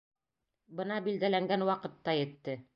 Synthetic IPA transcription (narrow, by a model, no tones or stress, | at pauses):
bɤ̆nɑbild̪ælæŋɡænwɑqɤ̆t̪ːɑjɘ̆t̪ːɘ